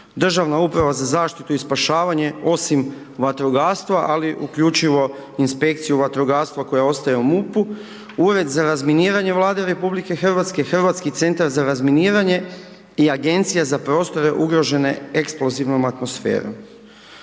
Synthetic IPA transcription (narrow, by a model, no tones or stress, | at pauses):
d̪r̩ʒaʋnaupɾaʋazazaːʃt̪it̪uispaʃaːʋaɲe̞o̞sim | ʋat̪ɾuɡaːɾst̪ʋaʔaliʔukʎut͡ʃiʋo̞inspe̞kt̪sijuʋat̪ɾuɡaːɾst̪ʋako̞jao̞st̪ajeumupu | uɾe̞d̪zaɾazminiːɾaɲe̞ʋlˠaːd̪eɾe̞publikexr̩ʋat̪ske̞xr̩ʋat̪skit̪se̞nt̪aɾzaɾazminiːɾaɲe̞ | iaɡe̞nt̪sijazapɾo̞ːst̪o̞ɾe̞ʔuɡɾo̞ʒe̞ne̞e̞ksplˠo̞ziʋno̞mat̪mo̞sfe̞̰ːɾo̞̰m